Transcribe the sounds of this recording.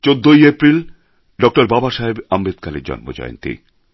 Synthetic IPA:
t͡ɕod̪ːojepɾil | ɖɔk̚ʈaɾbabaʃaɦebambed̪̚kaleɾd͡ʑɔ̰nmo̰d͡ʑɔ̰jo̰nt̪ḭ

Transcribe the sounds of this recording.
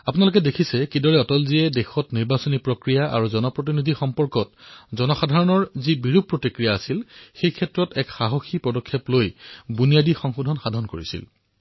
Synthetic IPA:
apunalʊk̬ɛdekʰisɛkidɔɹɛɔtɔlziɛdɛxɔtniɹbasɔnipɹokɹijaʔa̰ɹuzɔnɔpɹot̬inidʱixɔmpɔɹkɔt̚zɔnɔxadʱaɹɔnɔɹzibiɹupɹotikɹijaːsilxejkʰɛtɹɔtɛkxaɦɔxipɔdɔkʰːeplojbunijadixɔŋxudʱɔnxadʱɔnkoɹḭsḭl

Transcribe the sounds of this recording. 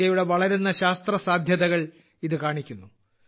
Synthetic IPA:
ɐjuɽe̞ʋɐɭɐɾunːɐɕaːst̪rɐsaːd̪ʱjɐðɐɣɐɭ | iðɨkaːɳikʲːunːu

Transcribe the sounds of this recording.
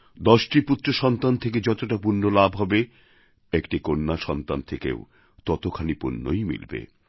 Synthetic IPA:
d̪ɔʃʈiput̪ːɾoʃɔnt̪ant̪ʰeked͡ʑɔt̪oʈapunːolabʱɦɔbe | ekʈikonːaʃɔnt̪ant̪ʰekḛo | t̪ɔt̪okʰanipṵnːo̰jmḭlbḛ

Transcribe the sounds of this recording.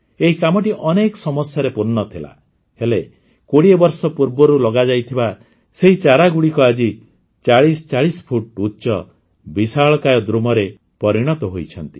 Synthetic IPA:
eɦikamɔʈiʔɔnekɔ̥sɔmɔsjɔɾepuɾnːɔt̪ʰila̰ | hele | koɽiebɔɾsɔpuɾbɔɾulɔɡad͡ʒajt̪ʰiba | seɦit͡ʃaɾaɡuɽikɔad͡ʒi | t͡ʃaɭist͡ʃaɭispʰuʈutːt͡ʃɔ | bisaɭɔkajɔd̪ɾumɔɾe | pɔɾiɽ̃ɔt̪ɔɦojt͡ʃʰɔnt̪i̥

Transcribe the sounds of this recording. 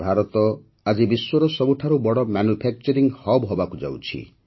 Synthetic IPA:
bʱaɾɔt̪ɔ | ad͡ʒibiswɔɾɔsɔbuʈʰaɾubɔɽɔmanupʰak̚t͡ʃɔɾiŋhɔbɦɔbakud͡ʒa̰wt͡ʃʰḭ

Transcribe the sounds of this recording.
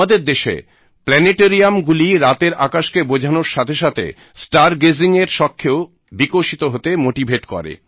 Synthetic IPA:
ad̪eɾd̪eʃḛ | plɛneʈeɾiamɡuliɾat̪eɾakaʃkebod͡ʑʱanoɾʃat̪ʰeʃat̪ʰḛ | sʈaɾɡeziŋeɾʃɔkʰːeo | bikoʃit̪oɦot̪emoʈibʱeʈkɔ̰ɾḛ

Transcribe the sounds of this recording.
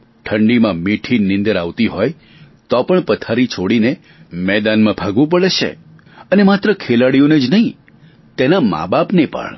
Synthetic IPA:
ʈʰəɳɖimãmiʈʰinɪ̃nd̪əɾaʋt̪iɦɔj | t̪ɔpəɳpət̪ʰaɾit͡ʃʰoɽine | mɛd̪anmãbʱaɡʋũp̬əɭeʃʰḛ | ənemat̪ɾəkʰelaɽijoned͡ʒnəɦĩ | t̪enama̰bapnepə̰ɳ

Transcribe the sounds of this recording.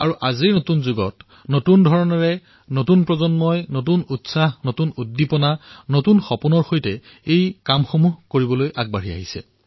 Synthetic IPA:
a̰ɹuʔaziɹnotunzuɡɔ̰t | notundʱɔɹɔnɔɹɛ | notunpɹɔzɔnmɔjnotunutsaɦnotunudːipɔnanotunxɔpunɔɹxojtɛ | ejkamxomuɦkoɹibɔlojʔaɡ̚baɹia̰ɦisɛ̰

